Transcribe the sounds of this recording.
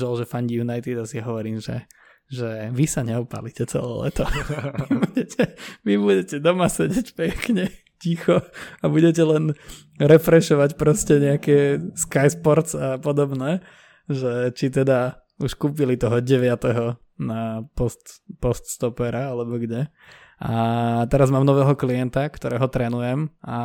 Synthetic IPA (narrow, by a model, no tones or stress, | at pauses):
ʒɛlʒɛfaɲɟijunajt̪id̪asiaɦɔʋɔɾiːmʒɛ̰ | ʒɛʋisaɲɛɔpa̰licɛt͡sɛ̰lɛ̰ːlɛ̰t̪ɔʋbuɟɛcʰɛʋibuɟɛcɛd̪ɔmasɛɟɛcpɛkɲɛ | cixɔabuɟɛc̬ɛlɛn | ɾɛfɾɛʃɔʋacpɾɔscɛɲɛakɛːskajspɔɾt͡sapɔd̪ɔbnɛː | ʒɛt͡ʃit̪ɛd̪a | uʃkuːpilit̪ɔɦɔɟɛʋɪat̪ɛɦɔ | napɔst̪pɔst̪st̪ɔpɛɾaalɛbɔɡɲɛ | at̪ɛɾazmaːmnɔʋɛːɦɔkliɛnt̪akt̪ɔɾɛːɦɔt̪ɾɛnujɛmʔa